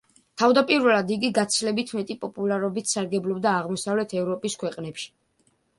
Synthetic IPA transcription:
t̪ʰavd̪apʼiɾvɛlˠad̪iɡiɡat̪sʰlɛbit̪ʰmɛt̪ʼipʼɔpʼulˠaɾɔbit̪ʰsaɾɡɛblˠɔbd̪aːʁmɔsavlɛt̪ʰɛvɾɔpʼiskʰwɛqʼnɛpʃi̥

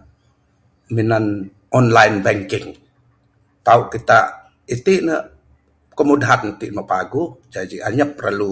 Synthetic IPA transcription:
minan | ɔnlajnbɛŋkɪŋ | t̪auʔkit̪aʔ | it̪iʔnəʔ | kəmudaɦant̪iʔnoʔpaɡud͡ʒad͡ʒiʔaɲəp̚əɾʔa̰lu

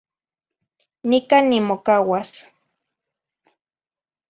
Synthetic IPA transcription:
nikanːimokawas

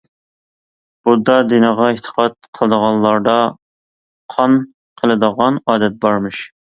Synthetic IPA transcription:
b̥ud̪ɑd̪ɪnəʁɑeht̪ʰə̥qʰɑt̪̚qʰəlˠɨd̪əʁɑnlˠɑɾd̪ɑ | qʰɑn | qʰəlˠɨd̪əʁɑnɑːd̪ɛt̪̚bɑɾmɨʃ

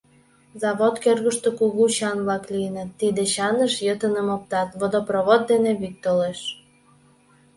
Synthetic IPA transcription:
zɑβot̪kørɣəʃt̪okuɣuɕɑnvlɑkliənət̪ːid̪eɕɑnəʃjət̪ənəmop̚t̪ɑt̪vod̪oproβot̪̚d̪eneβik̚t̪oleʃ

